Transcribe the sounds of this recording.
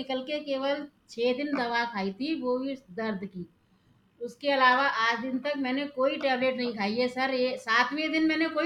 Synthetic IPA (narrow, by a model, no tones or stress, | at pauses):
ɪkəlkekeːʋəlt͡ʃʰeːd̪ɪnd̪ɐʋakʰaːit̪ʰiʋobʱid̪ɐɾd̪ʱki | ʊskeɐlaːʋaʔaːd͡ʒd̪ɪnt̪ɐk̚mɛ̃ːnekoːiʈɛːbleːʈnɐɦĩkʰaːiesɐɾesaːt̪ʰʋẽd̪ɪnmɛːnekoː